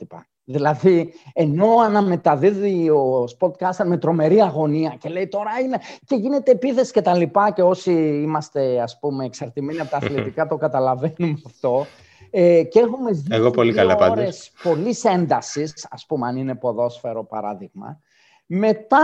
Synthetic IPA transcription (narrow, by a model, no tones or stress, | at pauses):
pɐ̰ | ðilɐðie̞no̞ɐnɐme̞t̪ɐðiðiospot̪kɐst̪me̞t̪ɾo̞me̞ɾiɐɣo̞niɐce̞le̞it̪o̞ɾɐine̞ce̞ʝine̞t̪e̞piθe̞si̥ce̞t̪ɐlipɐce̞o̞siimɐst̪e̞ɐspume̞ːksɐɾt̪imeniɐpot̪ɐːθlit̪ikɐt̪o̞ɡɐt̪ɐlɐve̞numeɐft̪o̞ | ecexume̞zðeɣopolikɐlɐpɐ̰ɾespo̞lise̞nd̪ɐsisɐ̰spumeɐnine̞po̞ðo̞sfe̞ɾo̞pɐ̰ɾɐðiɣmɐ̰ | me̞t̪ɐ